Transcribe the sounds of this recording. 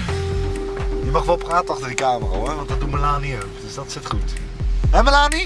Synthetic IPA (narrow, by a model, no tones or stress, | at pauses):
imɑχʋɛlˠpraːtənɑχtəɹdikaːməra̰ɔrʋɑntɑt̚dutməlaːniəpd̥øsdɑtsɪtχutɦɛməlaːni